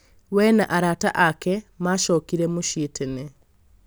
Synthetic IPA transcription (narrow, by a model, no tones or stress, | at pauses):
wɛnaʔaɾata̰ʔakɛmaʃɔkiɾɛmoʃietene